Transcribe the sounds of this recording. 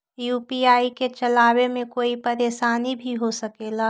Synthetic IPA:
juːpiaːiket͡ʃəlaːwemẽkoːipɐɾeːʃaːnibʱiɦosəkeːla

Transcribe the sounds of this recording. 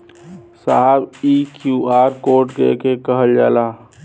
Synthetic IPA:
saːbikjuaːɾkoːɾʈkḛkekəɦəld͡ʒaːlaː

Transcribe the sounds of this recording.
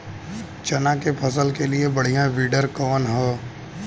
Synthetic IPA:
t͡ʃɐnãkepʰəs̬əlkeliebɐɽ̤ijãʋiːɖəɾkɔːnɦɛː

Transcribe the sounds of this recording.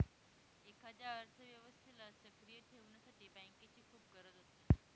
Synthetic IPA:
ekʰɦəd͡ʑjaəɾsəʋjəʋəst̪ʰilasəkɾijəʈ̪ʰeʋɳjasaʈibæ̃ŋket͡ɕiːkʰuːp̚ɡəɾəd͡z̪ɦot̪i

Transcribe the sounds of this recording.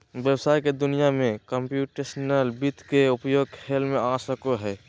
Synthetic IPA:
bjəwsaːiked̪ʊnijamẽkəmpjuːʈesnəlbit̪ʰkeʊpjoːɡhʰelmẽasəkoɦɛː

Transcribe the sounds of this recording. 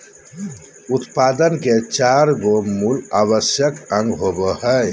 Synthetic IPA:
ut̪pad̪ənket͡ʃaɾɡomulabəsjəkə̃ŋɡɦobəhəj

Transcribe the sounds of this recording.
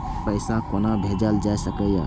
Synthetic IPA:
pəɪsakonabʱed͡ʒəld͡ʒajsəkəjə

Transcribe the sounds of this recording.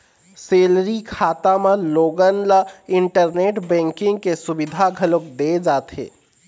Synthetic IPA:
seːlɾikʰaːt̪amãloːɡənlaɪ̃ɳʈəɾneːʈbɛ̃ːŋkɪ̃ŋɡkesʊbɪd̪ʱaɡʱɐlʊk̚d̪eːd͡ʒaːt̪ḛː

